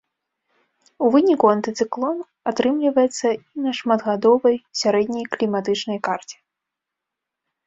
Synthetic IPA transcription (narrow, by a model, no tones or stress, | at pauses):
uvɨnʲikuant̪ɨt̪sɨklˠɔn | at̪ɾɨmlʲivɐjɛt̪sːɐinɐʂmad̪ɣad̪ɔvɐjsʲaɾɛd̪ʲnʲɐjklʲimat̪ɨt͡ʂnɐjkart͡sʲɛ̥